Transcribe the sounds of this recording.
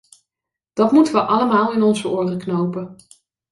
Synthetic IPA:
d̥ɑtmutəʋəʔɑləmaːlˠɪnɔnzəoːrəknowpə

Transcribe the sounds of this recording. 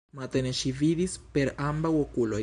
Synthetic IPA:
mat̪eneʃiviðispeɾambawokula

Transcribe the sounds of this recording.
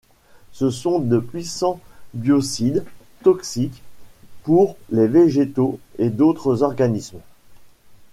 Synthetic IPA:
səsɔ̃d̪əpɥisɑ̃bjɔsid̪ | t̪ɔksikpuʁleveʒet̪oed̪ot̪χəzɔʁɡanism

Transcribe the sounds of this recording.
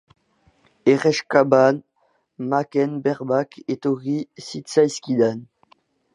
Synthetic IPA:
eʁɛʃkaban | makɛnbɛʁbaket̪oʁisit̪sajskʲid̪an

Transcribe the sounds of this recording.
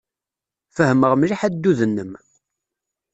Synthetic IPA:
fəhəməʁmliħæd̪ːuðənːəm

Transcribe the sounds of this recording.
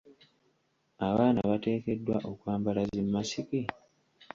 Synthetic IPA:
aβaːnaβate̞ːke̞dːwaʔo̞kwaːmbalazimːasiki

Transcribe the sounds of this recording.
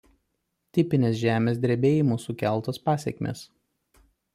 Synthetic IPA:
t̪ʲɪpʲɪnʲeːs̬ʒʲæːmʲeːs̬d̪ʲɾʲebʲeːjɪmusʊkʲæˑlˠˑt̪oːspɑːsʲɛ̰kʲmʲḛːs

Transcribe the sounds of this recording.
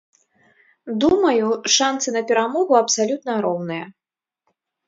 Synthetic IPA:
d̪umɐjuʂant̪sɨnɐpʲɛɾamɔɣuɐpsalʲut̪nɐɾɔwnɨjɐ

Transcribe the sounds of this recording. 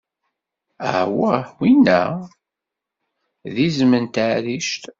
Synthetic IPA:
ə̰ʕwəwinːæ̰ | ðizmənt̪aʕɾiʃt̪

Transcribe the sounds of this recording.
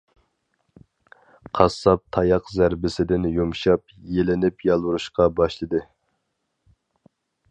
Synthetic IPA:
qʰɑsːɑp̚t̪ʰɑjɑqzæɾbɪsɪd̪ɪnjumʃɑp | jelɪnɪpjɑlˠwuɾuʃqɑbɑʃlˠɨd̪ɨ

